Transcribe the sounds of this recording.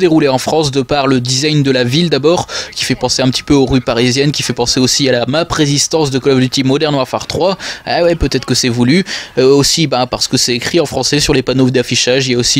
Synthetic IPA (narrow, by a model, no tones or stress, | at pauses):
d̪eʁuleɑ̃fχɑ̃s̬d̪əpaʁləd̪izajnd̪əlavild̪abɔʁkʲi̥fɛpɑ̃seɛ̃pət̪ʰi̥pøoʁypaʁizjɛnkʲifɛpɑ̃seosialamapχezist̪ɑ̃sd̪əkɔlɔblyt̪imɔd̪ɛʁnwaʁfa̰ʁt̪χwaawɛpøt̪ɛt̪χə̥kəsɛvulyøosibãpaʁsə̥kəsɛekχiɑ̃fχɑ̃sɛsyʁlepanovd̪afiʃaʒiljaosi